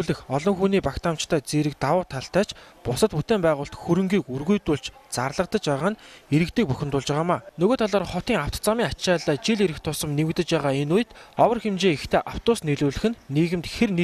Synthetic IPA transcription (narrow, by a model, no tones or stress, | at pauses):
ɮɘ̆xɔɮɞ̆ŋxuːniːpakt̪ʰaːm̥t͡ɕt̪ʰæːt͡seːɾɘ̆k̚t̪awʊːt̪ʰːaɬt̪æːt͡ɕpʊsə̆t̪put̪eːmpæːʁʊːɬt̪xɵɾɵ̆ŋɡiːkurɣujt̪ʊːɮt͡ɕt͡sarɮə̆qt̪ə̆t͡ɕpæːʁaːneɾɘ̆kt̪iːk̚pɵxʲɪ̆nt̪ʊːɮt͡ɕə̆ʁaːmaːnɵɣoːt̪ʰaɮaːrχɔt̪iːŋawt̪t͡samʲiːŋat͡ɕt͡ɕaːɮaːt͡ɕiɮeɾɘ̆xt̪ʰʊsə̆mnemkt̪ɘ̆t͡ɕpæːʁaːenuj̆t̪ɔwə̆rxemt͡ɕeːext̪ʰeːʔaw̥t̪ʊːsneɮuːɮɘ̆xɘ̆nːiːɣɘ̆mt̪xern